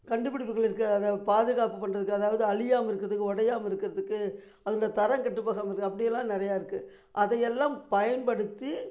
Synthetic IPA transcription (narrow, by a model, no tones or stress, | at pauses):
kɐɳɖɯp̬ːɪɽɪpːɯɣɐɭɪɾɯkːɯɐaðaːʋɐpaːðɯɣaːpɯpːɐɳːrɐðɯkːɯɐðaːʋɐðɯɐɭɪjaːmɐɪɾɯkːɯɾɐðɯkːɯɔɽɐjaːmɐɪɾɯkːɪɾɐðɯkːɯ | ɐðɯlɐt̪ɐɾɐŋkɐʈːɯpːaːɣaːmɐɪɾɯkːɯɐpːɐɽɪjɛlːãːnɪɾɐjaːɪɾɯkːɯ | ʔɐðɐjɛlːãːmpɐjɐnpɐɽɯt̪ːɯ